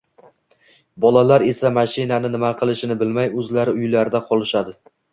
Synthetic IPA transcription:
bɒlˠalaɾe̞samaʃɪnanɪnɪmaqʰɨlˠɪʃɪnɪbɪlmajɵzlaɾɪʊjlaɾɪd̪aqʰɒlˠɪʃad̪ɪ

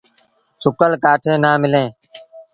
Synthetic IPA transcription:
sʊkəlkaːʈʰẽːnaːmɪlẽː

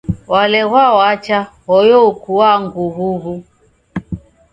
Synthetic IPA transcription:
walɛɣwawat͡ʃaɣɔjɔkuwaŋɡuβuβu

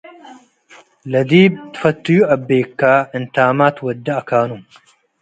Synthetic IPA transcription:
lɐd̪iːb̚t̪fɐt̪ːujuʔɐbːeːkːaːʔɪnt̪aːmaːt̪wɐd̪ːɐʔɐkaːnuːm

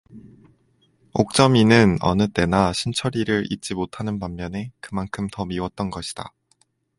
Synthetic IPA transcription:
ok̚t͡ɕ͈ʌminɯnʌ̰nɯt͈e̞naɕʰint͡ɕʰʌɾiɾɯɾḭt̚t͡ɕ͈imotʰanɯnpammjʌne̞kɯmankʰɯmtʌmiwʌt̚t͈ʌnɡʌɕʰi̥d̥a̰

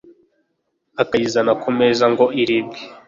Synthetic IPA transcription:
akajizanakʰomezaŋɡo̞iɾibɡi

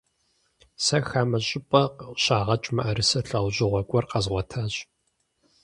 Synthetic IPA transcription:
sɐxaːmɐɕʼɪpʼɐqɕaːʁɐt͡ʃʼmɐʔɐɾɨsɐɬɐwʑʼɪʁʷɔɡʷʼɔrqɐzʁʷɔtʰaːɕ

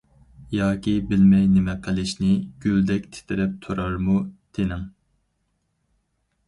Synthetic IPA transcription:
jɑːkʲʰibɪlmɛjnɪmɛqʰəlˠɪʃnɪɡ̥ʲyld̪ɛkʲt̪ʰe̥t̪ʰɪɾɛp̚t̪ʰuɾɑɾmut̪ʰenɪŋ

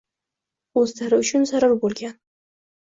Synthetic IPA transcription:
ozt̪ʰaɾɪʊt͡ʃʊnsaɾaɾbolɡʲan

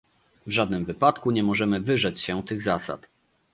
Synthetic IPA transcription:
vʐad̪̚nɘmvɘpat̪kuɲɛmɔʐɛmɘvɘʐɛt͡ɕɕɛt̪ɘɣzasa̰t̪

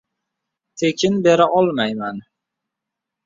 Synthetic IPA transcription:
t̪ʰekʲɪnbe̞ɾaʔɒlˠmajman

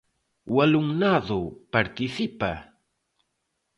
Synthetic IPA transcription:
walʊŋnaðʊpaɾt̪ɪsɪpa̰

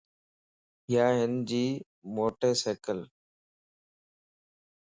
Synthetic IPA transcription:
ɪjaːɦɪnd͡ʑiː | moːʈeːseːkəl

